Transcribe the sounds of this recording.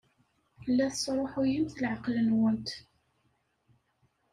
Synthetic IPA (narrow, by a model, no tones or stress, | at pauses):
lːæθəsˤɾˤoħujimθlʕəqlənwənt̪